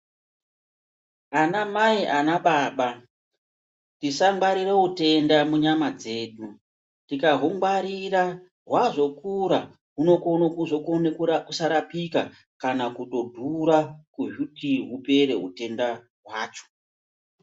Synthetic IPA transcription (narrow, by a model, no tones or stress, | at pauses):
anamaiʔanaɓaːɓa | tisaŋɡaɾiɾeute̞ndamuɲamad͡ze̞ːɗu | tikaɦoŋɡaɾiɾa | rwaʐo̞kuɾa | ɦuno̞konokuʐokonekukusaɾapika | kanakuto̞dʱuɾakuʒutiɦupe̞ɾe̞̰ɦṵte̞nda | ɦwaːt͡ʃo̥